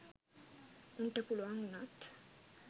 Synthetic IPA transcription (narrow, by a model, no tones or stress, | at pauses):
uɳʈəpuluʋaŋnat̪